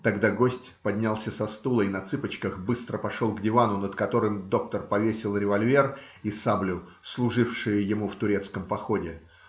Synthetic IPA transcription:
t̪ɐɡd̪aɡo̞sʲtʲpɐdʲnʲalˠsʲəsɐst̪ulˠəinɐt̪sɨpət͡ɕkəxbɨst̪ɾəpɐʂo̞lˠɡdʲɪvanʊnəd̪kɐt̪o̞ɾɨmd̪o̞k̚t̪ərpɐvʲesʲɪlˠɾʲɪvɐlʲvʲe̞r | isablʲʊ | slˠʊʐɨfʂɨjəjɪmuft̪ʊɾʲe̞t̪skəmpɐxo̞dʲɪ

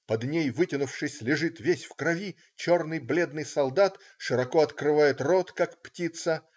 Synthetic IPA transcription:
pɐd̪nʲejvɨtʲɪnʊfʂɨsʲlʲɪʐɨt̪vʲesʲfkɾɐvʲi | t͡ɕo̞rnɨjblʲe̞d̪nɨjsɐlˠd̪at̪ | ʂɨɾɐkoɐt̪kɾɨvajɪt̪rot̪kakptʲit̪sə

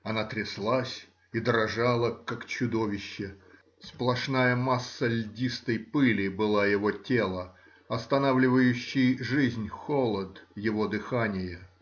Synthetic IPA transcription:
ɐnat̪ɾʲɪslˠasʲ | id̪ɾɐʐalˠəkakt͡ɕʊd̪o̞vʲɪɕːɪ | splˠɐʂnajəmasːəlʲdʲist̪əjpɨlʲɪbɨlˠajɪvo̞tʲelˠə | ɐst̪ɐnavlʲɪvəjʉɕːɪjʐɨzʲnʲxolˠəd̪jɪvo̞d̪ɨxanʲɪjə

